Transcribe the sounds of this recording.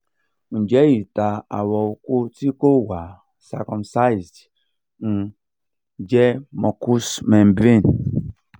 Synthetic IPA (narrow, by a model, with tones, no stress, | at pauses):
n̩˨d͡ʒɛ˦ji˨ta˨a̰˨wɔ˨kʷo˦ti˦ko˦wa˨ | sa̰˨kɔ˨msa˦jzd | n̩˨ | d͡ʒɛ˦mɔ˨ku˦sme˨m̩˨bɾe˦˨n˨